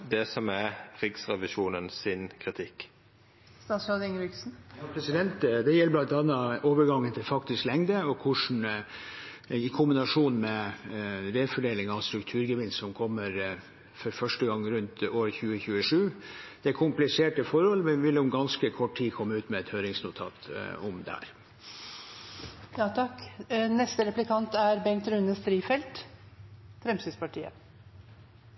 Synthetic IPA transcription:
d̪ɛsɔmæɾɪksɾɛʋɪʃuːnənsɪnkʰɾɪt̪ʰɪkː | st̪ɑːsod̪ɪŋɾɪksn̩jɑpʰɾɛsɪd̪ɛnt̪d̪ɛjɛlːəblɑnt̪ɑnːɑʔoːʋəɾɡɑŋːənt̪ʰɪlfɑkt̪ɪsklɛŋd̪əɔkʰʊʂn̩ | ɪkʰʊmbɪnɑʂuːnmɛ | ɾeːfɔɖeːlɪŋɑst̪ɾʉkt̪ʰʉːɾɡəʋɪnssɔmkʰɔmːəɾ | fɔɾfœʂʈəɡɑŋːɾʉnt̪oːɾəçʉːəçʉːəʂʉːd̪̥ɛkʰʊmplɪseːʈəfɔɾhɔlmɛnʋɪlʊmɡɑnskəkʰɔʈʰiːkʰɔmːəʉːt̪mɛɛt̪høːɾɪŋsnʊt̪ʰɑ̰ːt̪ʊmd̪ɛ̰hæ̰ːɾ | jɑːt̪ʰɑknɛst̪əɾɛplɪkʰɑnt̪æɾbɛŋkt̪ɾʉnəst̪ɾiːfɛlt̪ | fɾɛmsyspɑʈʰiːə̰

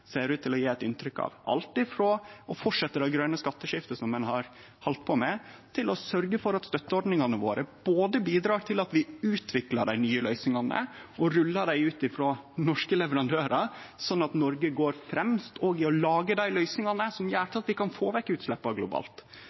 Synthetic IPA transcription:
seːɾʉːt̪ʰːɪlɔjeːɛt̪ɪnt̪ɾʏkɑ̰ʋʔɑ̰lt̪ɪfɾoɔfɔʈʂɛt̪ːəd̪ɑɡɾœnəskɑt̪ːəʂɪft̪əsɔmːɛnhɑɾ | hɔlt̪̚pʰɔmɛt̪ʰɪlɔsœɾɡəfɔɾɑt̪st̪œt̪ːəɔɾɖnɪŋɑnəʋo̰ːɾʔəb̥oːd̪əbiːd̪ɾɑːʈʰɪlɑt̪ʋɪʉːt̪ʰʋɪklɑɖæɪnyːəlœʏsnɪŋɑnə̰ɔɾʉlːɑɖæɪʉːt̪ɪfɾoːnɔʂkəlɛʋəɾɑnd̪øːɾɑsɔnːɑt̪nɔɾɡəɡoːɾfɾɛmst̪ʰɔɡɪɔlɑːɡəd̪æɪlœʏsnɪŋɑnəsɔmjæːʈ̪ɑt̪ʋɪkʰɑnfoːʋɛkːəʉːt̪slɛpːɑɡlʊbɑ̰ːlt̪

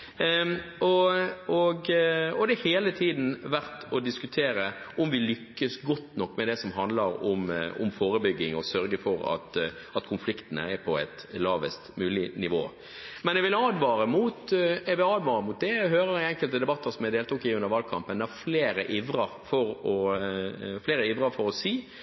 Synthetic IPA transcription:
ɔɔɡɔd̪ɛæheːlət̪ʰiːd̪n̩ʋæɾt̪ɔd̪ɪskʉt̪ʰeːɾə | ɔmʋɪlʏkːəsɡɔt̪ːnɔkːmɛd̪ɛsɔmɦɑnd̪ləɾɔ̰mʊ̰mfoːɾəbʏɡːɪŋɔsœɾɡəfɔɾɑ̰t̪ | ɑt̪kʰʊnflɪkt̪ənə̰ɛpʰɔɛɪt̪lɑːʋəst̪mʉːlɪnɪʋo̰ː | mɛnɛɡʋɪlɑːd̪ʋɑːɾəmut̪ɛɡʋɪlɑːd̪ʋɑːɾəmʊt̪̚d̪ɛɦøːɾəɾɪɛŋkəlt̪əd̪ɛbɑt̪ːəɾsɔmɛɪd̪eːlt̪uːkɪʉnd̪əɾʋɑːlkʰɑ̰mpənd̪ɛhæɾfleːɾəʔɪʋɾəɾfɔɾɔ | fleːɾəɪʋɾɑfɔɾɔsiː

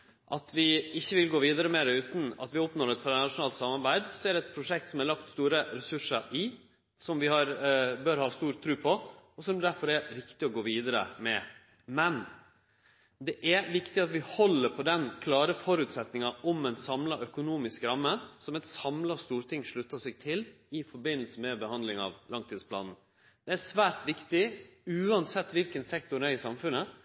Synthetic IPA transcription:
ʔɑt̪ʰʋɪɪçːəʋɪlɡoːʋiːd̪əɾəmeːɾəʉːt̪n̩ɑ̰t̪ʋɪɔpnoːɾɛt̪fɔɾnɑʂʊnɑːlt̪sɑmːɑɾbæɪd̪sɔæɾɖ̪ɛt̪̚pʰɾʊʂɛk̚t̪sɔmæɾlɑkt̪st̪uːɾəɾɛsʉʂəɾɪ | sɔmʋɪhɑɾbøːɾhɑːst̪uːɾt̪ʰɾʉːpʰɔɔsɔmd̪æɾfɔɾɛɾɾɪkt̪ɪɔɡoːʋiːd̪əɾə̰mɛ | mɛn | d̪ɛʔæʋɪkt̪ɪɑt̪ʋɪhɔlːəɾpʰɔd̪ɛnkʰlɑːɾəfɔɾʉːt̪sɛt̪nɪŋɑʔɔmɛnsɑmlɑʔœkʊnuːmɪskɾɑmːəsɔmɛt̪sɑmlɑst̪uːɾt̪ʰɪŋːʂɭʉt̪ːɑʂɛɡt̪ʰɪl | ɪfɔɾbɪnːəlsəmɛbəhɑnd̪lɪŋɑ̰ʋlɑŋt̪ʰiːd̪spʰlɑ̰ːnn̩ | d̪̥ɛæʂʋæːɾt̪ʋɪkt̪ɪʉːɑnsɛt̪ːʋɪlkənsɛkt̪ʊɾæɾɪsɑmfʉnːə

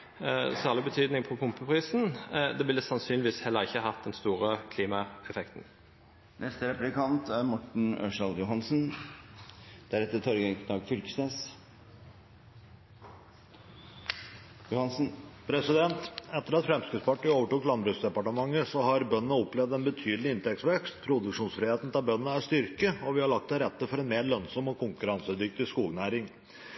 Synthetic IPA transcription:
sæːʁɭɪbət̪ʰyːd̪nɪŋpʰɔpʰʊmpəpʰʁiːsn̩d̪ɛʋɪlːəsɑnsyːnlɪʋiːshɛlːəʁɪçːəɑɦɑt̪̚d̪ɛnst̪uːʁəkʰliːmɑɛfɛkt̪n̩ | nʔɛst̪əɾɛplɪkʰɑnt̪æɾmɔʈɳ̩ɔ̰ʂɑld̪jʊhɑnsn | d̪̥æɾɛt̪ːət̪ʰɔɾɡəd̪ɑːɡfʏlkə̥sneːs | jʊhɑn̩pʰɾɛsɪd̪ɛnt̪ɛt̪ːəɾɑt̪fɾɛmskɾʉt̪spɑʈːiːoːʋəʈuklɑnbɾʉsd̪ɛpɑʈəmɑŋːəsɔhɑɾbœnːənəɔplɛʋd̪ɛnbət̪ʰyːd̪l̩ɪɪnt̪ɛksʋɛkst̪pʰɾʊd̪ʉkʂuːnsfɾɪheːt̪n̩t̪ʰɪlbœnːənəæʂt̪ʏɾkəɔʋɪhɑɭɑkt̪ɛɾɛt̪ːəfɔɾɛnmeːɾɭœnsɔmɔkʰʊŋkʉɾɑnsəd̪ʏk̚t̪ɪskuːlnæːɾɪŋ

